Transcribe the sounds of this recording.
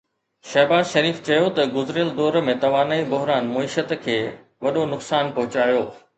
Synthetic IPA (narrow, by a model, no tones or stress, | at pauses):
ʃɐɦbaːzʃɐɾiːft͡ɕɐjot̪ɐɡʊzɾjəld̪ɔːɾmẽt̪ɐʋaːnaːibʊɦɾaːnmʊiʃət̪kʰeː | ʋɐɗonʊksaːnpɔɦʊt͡ɕaːjoː